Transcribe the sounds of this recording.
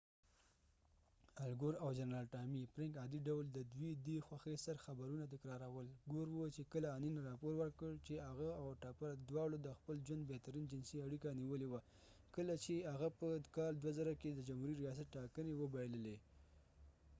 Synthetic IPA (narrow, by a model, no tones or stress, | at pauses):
alɡoɾawd͡ʒanɾɑlʈɑmipɾɪŋkɑd̪iɖawld̪əd̪wid̪exwaxesaɾxabaɾunat̪̬ɪkɾɑɾawəlɡoɾwət͡ʃekəlaːninɾɑpoɾwəɾkəɭt͡ʃeaɣaawʈɑpaɾd̪wɑɽod̪əxpəld͡ʒwand̪̚bet̪aɾind͡ʒɪnsiaɽikaniwəlewa | kəlat͡ʃeaɣapəkɑld̪wazaɾaked̪əd͡ʒamhuɾiɾijɑs̬at̪ʈɑkənewəbajeləle